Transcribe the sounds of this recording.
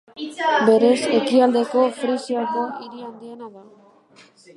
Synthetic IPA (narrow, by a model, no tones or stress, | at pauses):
be̞ɾe̞se̞kiald̪e̞ko̞fɾisiaɾd̪oiɾiand̪ienaða